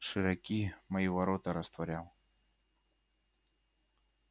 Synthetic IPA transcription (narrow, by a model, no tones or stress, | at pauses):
ʂɨɾɐkʲimɐjivɐɾot̪ɐɾɐst̪vɐɾʲalˠ